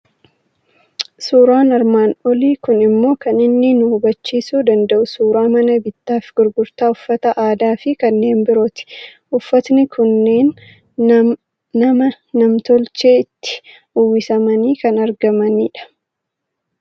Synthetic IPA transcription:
suːɾaːnɐɾmaːnɔliːkʊnɪmːo̞ːkɐnɪnːɪnʊhʊbɐt͡ʃːiːsuːd̪ɐnd̪ɐʔʊsuːɾaːmɐnɐbɪt̪ːaːfɡ̥ʊɾɡʊɾt̪aːʊfːɐt̪ɐʔaːd̪aːfɪkɐnːe̞ːnbɪɾoːt̪ɪ̥ʔʊfːɐt̪nɪkʰʊnːe̞ːn | ɐmɐː | ɐmt̪ɔlt͡ʃeːɪt̪ːɪ̥ | ʊwɪsɐmɐniːkɐnɐɾɡɐmɐniːᶑɐ̥

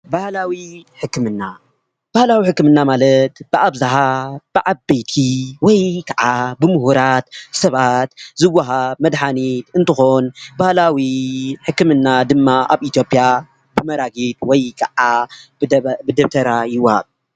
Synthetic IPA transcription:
bahlawiħɨkːɨmɨnːa | b̥ahlawiħɨkːɨmɨnːamalɐt̪b̥ɨʔaβzaħab̥ɨʕabejt̪ʰiwɔjkʰɐʕabɨmuhuɾat̪sɐβat̪zɨwːaɦaβmɐd̪ħanit̪ɨnt̪ʰɨxonbahlawiħɨkːɨmɨnːad̪ɨmːaʔa̰βit̪jo̞pʼja | bɨmɐɾaɡit̪wɔjkʰɐʔa | bɨd̪ɐβt̪ʰɐɾajɨwːaha̰β

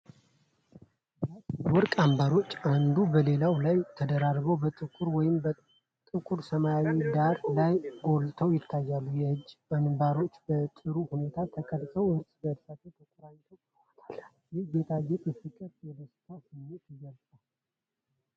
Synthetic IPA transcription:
batwɔɾkʼambaɾo̞t͡ʃːand̪ubəle̞lawlajt̪ʰəd̪əɾaɾbəwbət̪ʼɨkʼuɾwɔjɪmbə | t̪ʼɨkʼuɾsəmajawid̪aɾlajɡo̞lt̪ʰəwjɪt̪ʰːajːalːujɛhɨd͡ʒːanbaɾo̞t͡ʃːbət̪ʼɨɾuhune̞t̪ʰat̪ʰəkʰəlt̪ʼəwɨɾt̪ʼɡəd̪sat̪ʰet̪ʰəkʷʼuɾaɲt̪ʰəw | t̪ʰal | jɪhjɛt̪ʰajːɛt̪ʼɨsɨkʼːət̪jɛd̪əst̪ʰasɨmːet̪iɡəɾsʼal

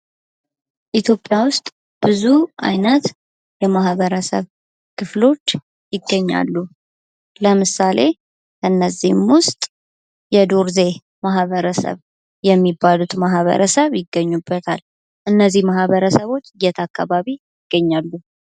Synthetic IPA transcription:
ʔit̪ʰjo̞pʼːjawʊst̪ʼ | b̥ɨzuʔa̰jnət̪ | jɛmahβəɾəsə̰β | kʰɨflo̞t͡ʃː | jɪɡːəɲːa̰lːu | ləmɨsale̞ | kəɨnːəzihmwʊst̪ʼ | jɛd̪oɾze̞ | maɦβəɾəsə̰β | jɛmːibːalut̪maɦβə̰ɾəsəβjɪɡːəɲːubːət̪ʰal | ʔɨnːəzːihmahβəɾəsəβo̞t͡ʃːɨjɛt̪ʰakʰːa̰βaβijɪɡ̥ːəɲːalːu

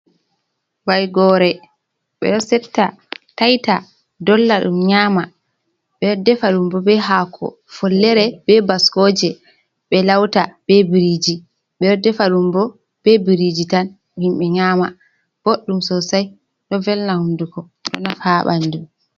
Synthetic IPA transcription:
wajɡɔɾɛ | ɓɛ̰ɗɔsɛtːa | tajta | dɔlːaɗṵmɲaːma | ɓɛɔdɛfaɗumbɔbɛɦakʰɔ̰ | fɔlːɛɾɛbɛbaskoːd͡ʒɛ | ɓɛlawtab̥ɛbiɾid͡ʒi | ɓɛɗɔdɛfaɗumbɔ | b̥ɛbiɾid͡ʒitan | himɓɛɲaːma | b̥oɗːumsɔsaj | ɗɔvɛlnahundukɔ | ɗɔ̰nafaɓa̰ndum

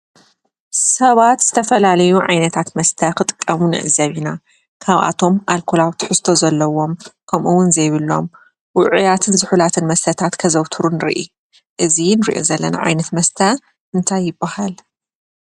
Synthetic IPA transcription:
sɐβat̪z̥ɨt̪ʰɐfɐlalɐjuʕa̰jnɐt̪ʰat̪mɐst̪ʰɐkʰɨt̪ʼɨkʼːɐmunɨ̰ʔzɐβina | kʰaβʔa̰t̪ʰo̞mʔalkʰolawt̪ʰɨ̥ħɨst̪ʰo̞zɐlːɐwo̞mkʰɐmʔuwʊnzɐjβɨlːo̞̰m | wʊʕujat̪ʰɨnzɨħulat̪ʰɨnmɐst̪ʰɐt̪ʰat̪kʰɐzɐwt̪ʰuɾunɨɾḭʔḭ | ʔɨzinɨɾiʔo̰zɐlːɐna̰ʕa̰jnɐt̪mɐst̪ʰɐ | ʔɨnt̪ʰajːɪbːahal

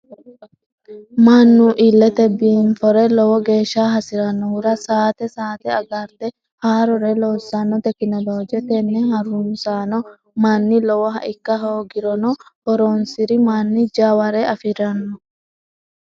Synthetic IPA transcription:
maːnːuʔilːɛt̪ɛbːiːnfɔɾɛlɔwɔɡe̞ːʃːaːɦɐsɪɾɐnːɔwʊɾɐsaːt̪ɛsaːt̪ɛɐɡɐɾt̪ɛ | haːɾɔɾɛloːsːanːɔt̪ɛkɪnɐloːd͡ʒɛt̪ɛnːɛɦɐɾunsaːnɔ | maːnːɪlɔwɔɦɐ̰ʔɪkːɐɦoːɡɪɾɔnɔhɔɾoːnsɪɾɪmaːnːɪd͡ʒaːwɐɾɛɐfɪɾɐnːɔ

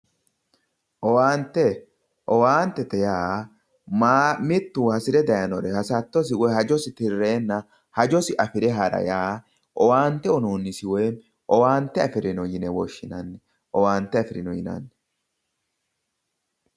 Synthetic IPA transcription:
ʔɔwaːnt̪ːɛ | ʔɔwaːnt̪ːɛt̪ɛjaː | mamɪt̪ːuːhɐsɪɾɛd̪ɐjɐnɔɾɛhɐsɐt̪ːɔs̬ɪwɔjɦɐd͡ʒɔsɪt̪ɪrːe̞ːnːɐ | hɐd͡ʒɔsɪʔɐfɪɾɛɦɐɾɐ̰jaː | ʔɔwaːnt̪ːɛɔnoːnːɪsɪwe | ʔɔwaːnt̪ːɛɐfɪɾɪnɔjɪnɛwɔʃːɪnɐnːɛ | ʔɔwaːnt̪ːɛɐfɪɾɪnɔjɪnɐ̰nːɛ

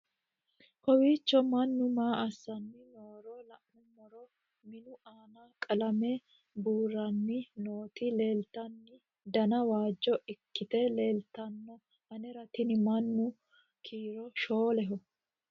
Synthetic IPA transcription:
kɔwiːt͡ʃːɔmɐnːʊmaːɐsːɐnːɪnoːɾɔlɐʔnʊmɔɾɔ | mɪnʊʔaːnaːkʼɐlɐmɛ | buːrːɐnːɪno̞ːt̪ɪle̞ːlt̪ɐnːɪ | d̪ɐnɐwaːd͡ʒːɔɪkːɪt̪ɛleːlt̪ɐnːɔ | ʔɐnɛɾɐt̪ɪnɪmɐnːʊ | kʰiːɾɔʃo̞ːlɛɦɔ

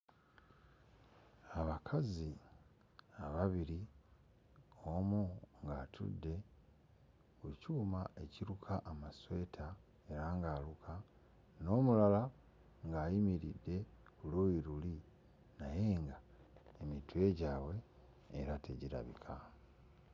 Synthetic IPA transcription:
aβakʰazi | aβaβiɾi | omuŋɡaːtʰṵdːe̞ | ucuːmaeciɾukʰaʔːmaswe̞tʰa | e̞ɾaːŋɡaːlukʰa | no̞ːmulala | ŋɡaːjimiɾḭdːe̞ | kuluiɾuli | naje̞ːŋɡa | emitwe̞ɟaːwe̞ː | ɾateɟiɾa̰βḭkʰa

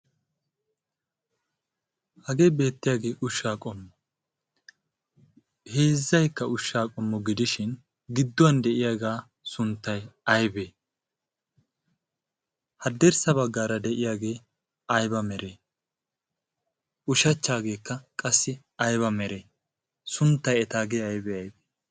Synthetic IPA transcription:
hɐɡe̞ːbe̞ːt̪ːɪjaːɡe̞ːʔʊʃːaːkʼɔmːɔ | he̞ːzːɐjkːɐʔʊʃːaːkʼɔmːɔɡɪd̪ɪʃɪn | ɡɪd̪ːɔwɐnd̪ɛʔɪjaːɡaː | sʊnt̪ːɐjɐjbeː | hɐd̪ːɛɾsɐbɐɡːaːɾɐd̪ɛʔɪjaːɡe̞ː | ɐjbɐmɛɾeː | ʊʃɐt͡ʃːaːɡe̞ːkːɐkʼɐsːɪ | ɐjβɐmɛɾeː | sʊnt̪ːɐjɛt̪aːɡeːɐjbɛɐjbeː

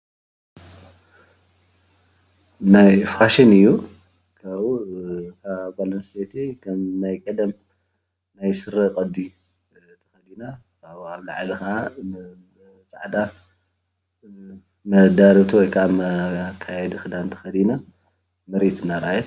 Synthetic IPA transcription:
najfaʃinɨjːu | kʰaβt̪ʰabalɐnst̪et̪ʰekʰɐmnajkʼɐd̪ɐm | najsɨɾːɐkʼɐd̪ːi | t̪ʰɐ̥xɐd̪ina | kaβaβla̰ʕlixaan | t͡sʼaʕd̪ʼa | mɐd̪aɾit̪ʰuwɔjkʰʔamɐkʰːajɛd̪ɨxɨd̪ant̪ʰɐ̥xɐd̪ina | mɨɾt̪ɨnːaɾajɛt̪

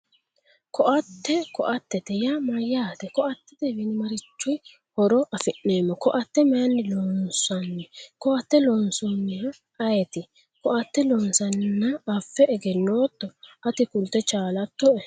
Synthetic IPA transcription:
kɔʔɐt̪ːɛkɔʔɐt̪ːɛt̪ɛjamɐjːaːt̪ɛkɔʔɐt̪ːɛd̪ebɪnɪmɐɾɪt͡ʃːʊj | hɔɾɔʔɐfɪʔːeːmːɔkɔʔɐt̪ːɛmɛjɐnːɪloːnsɐnːɛkɔʔɐt̪ːɛlɔnsɔnːɪjɐ | ɐjɛt̪ɪ | kɔʔɐt̪ːɛlɔːnsɐnːɐːfːɛɛɡɛnːoːt̪ːɔɐt̪ɪkʊlt̪ːɛt͡ʃaːlɐt̪ːɔɛ

